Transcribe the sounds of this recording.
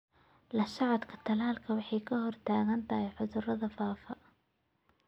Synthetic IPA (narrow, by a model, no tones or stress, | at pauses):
lɐʃɑʕɑt̪kʰɐt̪ʰɐlaːlkʰɐwɑħɑjkʰɐɦɔrt̪ʰaːɣɐnt̪ʰɐɦɛjħʊðʊrɐðɐfaːfɐ